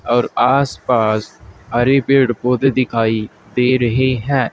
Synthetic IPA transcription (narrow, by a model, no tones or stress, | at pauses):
ɔːɾaːspaːshaːɾeːpɪɽpoːd̪eːd̪ɪkʰaːiː | d̪eːɾəɦeːɦɛ̃ː